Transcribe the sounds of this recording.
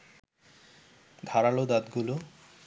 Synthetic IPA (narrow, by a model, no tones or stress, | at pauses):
d̪ʱaɾalod̪ad̪ɡulo